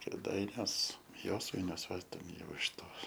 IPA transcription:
kʲeːˈdɐɪnʲuɔs ˈjoːsʋɐɪnʲuɔs ˈʋɐ ˈjɛʊ ɪʃ ˈtoːs

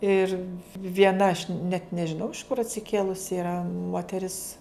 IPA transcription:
ˈɪr ʋʲiɛˈnɐ ɐʃ nʲɛt nʲɛʒʲɪˈnɐʊ ɪʃ kʊr ɐtʲsʲɪˈkʲeːlˠʊsʲɪ ɪˈrɐ moːtʲɛˈrʲɪs

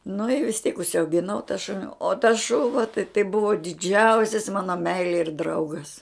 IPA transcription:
nʊ ɪ ʋʲɪs tʲiɛk ʊʃʲsʲɛʊɡʲɪˈnɐʊ tɐ ˈʃʊnʲɪ oː tɐs ˈʃʊʋɐ tɐɪ tɐɪ ˈbʊʋoː dʲɪˈd͡ʒʲɛʊsʲɪs ˈmɑːnoː ˈmʲɛɪlʲeː ɪr ˈdrɐʊɡɐs

